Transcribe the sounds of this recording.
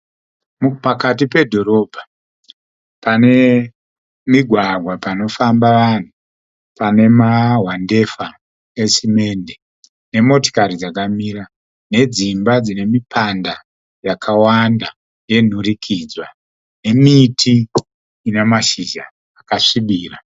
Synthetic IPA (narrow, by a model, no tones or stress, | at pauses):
mupakatipe̞dʱo̞ɾo̞ːbʱa | pane̞ | miɡʱwaɡʱwapano̞fambaʋan̤u | pane̞maɦwande̞fa | esime̞nde | ne̞mo̞to̥kaɾid͡zakamiːɾa | ne̞d͡zimbad͡zine̞mipʰanda | jakʰawanda | je̞n̤urikʰid͡zwa | ne̞mitʰiː | ne̞maʃiʒa̰ː | kaʂiɓiːra